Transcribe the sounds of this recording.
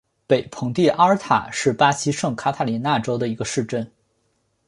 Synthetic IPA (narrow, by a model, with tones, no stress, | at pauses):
pe˨˩ɪpʰɤ˧˥ŋt̪i˥˩ʔa˥t̪ʰa̰˨˩ʂɻ̩˥˩pa˥ɕi˥ʂɤ˥˩ŋkʰa˥t̪ʰa˥˩li˧˥na˥˩ʈ͡ʂo˥ʊd̪ə˨i˧˥ɡə˧ʂɻ̩˥˧ʈ͡ʂə˥˩n